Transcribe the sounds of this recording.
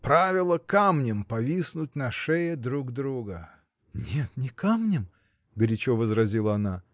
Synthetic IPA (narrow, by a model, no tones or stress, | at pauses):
pɾavʲɪlˠəkamnʲɪmpɐvʲisnʊt̚ʲnɐʂɛjəd̪ɾuɡd̪ɾuɡə | nʲet̪nʲɪkamnʲɪm | ɡɾʲɪt͡ɕovəzɾɐzʲilˠəɐna